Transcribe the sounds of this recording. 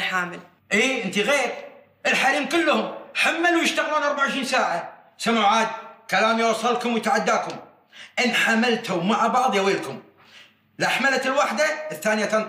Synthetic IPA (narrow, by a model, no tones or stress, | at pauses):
ħaːmɪl | ʔiːʔənt̪iɣeːɾ | ʔɪlħaliːmkʊlːhʊmħamːalwjəʃt̪aɣluːnʔɑɾˤbaʕʊʃɾiːnsaːʕa | samaʕaːd̪kalaːmjwɑsˤːɑlkʊmwjt̪aʕad̪ːaːkʊm | ʔɪnħamalt̪umaʕabɑʕðˤjaweːlkʊm | lʔaħmalat̪ɪlwaħd̪aəθːaːnjat̪an